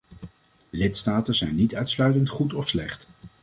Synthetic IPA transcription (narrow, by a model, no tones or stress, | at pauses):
lɪtstaːtəzɛjnːitœɥtslœɥtəntχutɔfslɛχt